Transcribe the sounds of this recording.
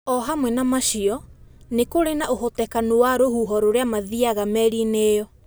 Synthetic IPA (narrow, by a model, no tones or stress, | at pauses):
ɔɦamwɛnamaʃiɔnekoɾenaʔoɦotɛkanowaɾohuɦɔɾoɾeamaðiaɣamɛɾineːjɔ